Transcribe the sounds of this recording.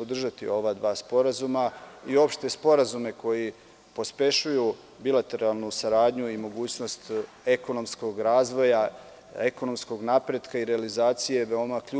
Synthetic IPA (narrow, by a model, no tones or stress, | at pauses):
od̪r̩ʒat̪io̞ʋad̪ʋaːspo̞ɾazumaio̞pʃt̪e̞spo̞ɾazume̞ko̞ji | po̞spe̞ʃuju | bilˠat̪e̞ɾalˠnusaɾaːd̪ɲuimo̞ɡuːt͡ɕno̞st̪ | eko̞no̞msko̞ɡɾaːzʋo̞ja | e̞ko̞no̞msko̞ɡnapɾed̪kaiɾe̞alizaːt̪sije̞ʋeo̞maku